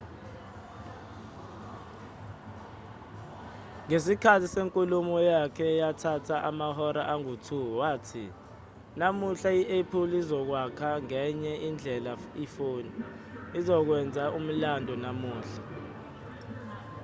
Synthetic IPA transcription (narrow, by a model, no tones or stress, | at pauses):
ŋes̬ikʰatʰiseŋkʼulumɔjakʰɛjatʰatʰaʔamahɔɾaʔaŋutʰuwaːtʰḭ | namuɬaiʔepʰulizɔk̬wakʰaŋɛɲɛʔind͡ɮʱɛlaifoːniː | zɔk̬wɛnd͡zʱaʔum̩landʱɔnamuːɬḁ